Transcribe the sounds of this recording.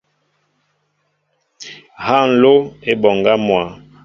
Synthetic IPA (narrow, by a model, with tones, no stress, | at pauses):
ha˦˨n̩˨lo˦e˦bɔ˨ŋɡa˦mwa˨